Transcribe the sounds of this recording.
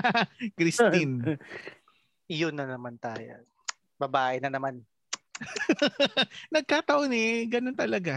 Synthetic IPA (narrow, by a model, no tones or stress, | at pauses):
kɾɪst̪ɪn | jʊnːɐnɐmant̪aːjo̰ | bɐbaːʔɪnɐnɐman | nɐɡ̚kaːt̪ɐʔonɛɡɐnont̪ɐlɐɡa